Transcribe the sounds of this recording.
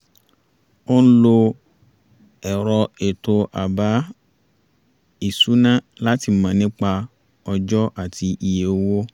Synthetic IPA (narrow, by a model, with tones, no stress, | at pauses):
o˦n̩˦lo˧ | ɛ˨ɾɔ˧e˨to˧ʔa˨ba˨˦ | i˦˨su˨˦nã˦ | la˦ti˧mã˨˧nĩ˦k͡pa˧ | ɔ˧d͡ʒɔ˦ʔa˦˨ti˧ʔi˧je˨o˧wo˦